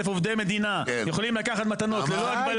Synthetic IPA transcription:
efovd̪ejme̞d̪inajeχolimlakaχat̪mat̪ano̞t̪leloaɡ̚bal

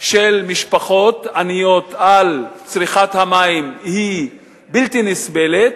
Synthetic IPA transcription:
ʃelmiʃpaχo̞t̪anijo̞t̪alt͡sʁiχat̪hamaimhi | bilt̪inisbe̞let̪̚

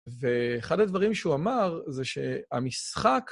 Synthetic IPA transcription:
veːχadad̪vaʁimʃeuamaʁzeʃea̰misχak

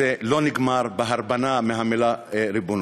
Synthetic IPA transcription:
ɛloniɡmaːɾbɐɦɐɾbɐnameɦamelaeɾibun

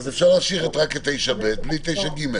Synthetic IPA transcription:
zefʃaʁlaːmʃiχet̪ʁaket̪ejʃabet̪̚blit̪ejʃaɡime

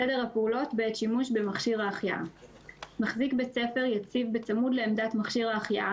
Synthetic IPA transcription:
ede̞ʁhapeulo̞tbeetʃimuʃbemaχʃiʁaːχjaʔa | maχzikbet͡se̞fe̞ʁjat͡sivbet͡samudleːmdatmaχʃiʁhaːχjaʔa

